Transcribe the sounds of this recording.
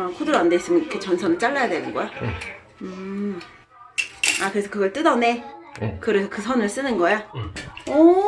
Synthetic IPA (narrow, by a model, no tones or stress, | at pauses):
ʌkʰodɯɾande̞is͈ɯmʌnikʰet͡ɕʌnsʰʌnɯɭt͡ɕ͈aɭːajadwenɯnɡʌjo | ɯ | akɯɾe̞sʰʌkɯɡʌɭt͈ɯdʌne̞kɯɾe̞sʰʌkɯsʰʌnɯɭs͈ɯnɯnɡʌja | ʌ